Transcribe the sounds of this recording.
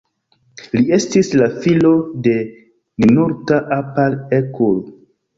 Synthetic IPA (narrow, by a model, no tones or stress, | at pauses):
lie̞stislafilo̞de̞ | ninuɾtaʔapalekol